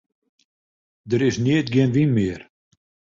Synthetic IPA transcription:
dəɾɪsniətɡɪənʋinmɪər

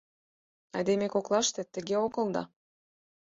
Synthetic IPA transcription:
ɑ̰d̪emekoklˠɑʃt̪ĕt̪ə̆ɣeokɤ̆lˠd̪ɑ̰

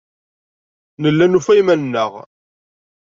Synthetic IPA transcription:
nəlːænufæjmænnːəʁ

